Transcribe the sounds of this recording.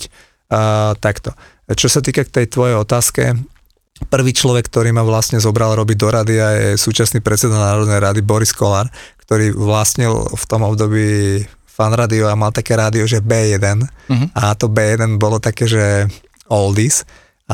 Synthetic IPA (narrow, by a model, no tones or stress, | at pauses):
t̪akt̪ɔ | t͡ʃɔsat̪iːkak̚t̪ɛjt̪ʋɔjɛjɔt̪aːskɛ̰ | pr̩ʋiːt͡ʃlɔʋɛkːt̪ɔɾiːmaʋlasɲɛzɔbɾalɾɔbiɟd̪ɔɾad̪iajɛ̰suːt͡ʃasniːpɾɛt̪t͡sɛd̪anaːɾɔd̪nɛjɾad̪ibɔɾiskɔlaɾkt̪ɔɾiːʋlasɲilft̪ɔmɔbd̪ɔbiː | fanɾaːd̪iɔamalt̪akɛːɾaːd̪iɔʒɛbɛːjɛd̪ɛnaːt̪ɔbɛːjɛd̪ɛnbɔlɔt̪akɛːʒɛ | ɔld̪is | a